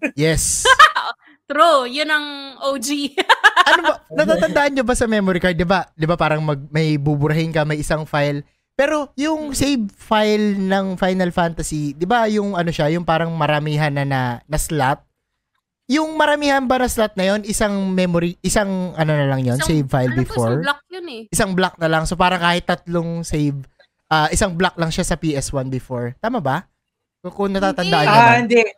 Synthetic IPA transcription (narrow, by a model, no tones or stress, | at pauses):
jɛs | t̪ɾujʊnɐŋʔod͡ʒiʔɐnobɐnɐat̪ɐnd̪aʔɐnɲobɐsɐmɛmoɾikɐɹd̪ɪbad̪ɪbapaːɾɐŋmɐɡ̚mɐjbubʊɾɐɦɪnkɐmɐjɪsaŋfajl | pɛːɾo̞jʊŋsejb̚fajlnɐŋfajnɐlfant̪ɐsid̪ɪbajʊŋʔɐno̞ʃajʊŋpaːɾɐŋmɐɾɐmiːɦɐnːɐnɐnɐslat̚ | jʊŋmɐɾɐmiːhɐnbɐnɐslat̪̚nɐjo̞nɪsaŋmɛmoɾiʔɪsaŋʔɐno̞nɐlɐŋjo̞nsejvfajlbɪfoɹk̚jonɛʔɪsaŋblak̚nɐlɐŋso̞paːɾɐŋkaːhɪt̪ːɐt̪loŋsejv | ʔaːʔɪsaŋblak̚lɐŋʃasɐpiːʔɛswanbɪfo̞ɹt̪aːmɐbɐ | sokʊŋnɐt̪aːt̪ɐnd̪aʔɐnaɪnd̪ɛʔ